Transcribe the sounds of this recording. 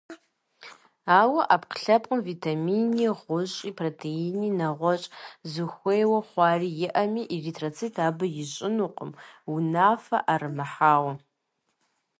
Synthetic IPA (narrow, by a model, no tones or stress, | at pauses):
aːwɐʔapqɬɐpʼqʼʊmvitʰaminiʁʷʊɕʼiːpʰrotʰejininɐʁʷɔt͡ʃʼzɨxʷejwɐχʷɑːriːjɪʔɐmiːʔiritʰrot͡sʰitʰaːbɨjɪɕʼɪnuqʼəmunaːfɐ̰ʔarɨmɐħaːwɐ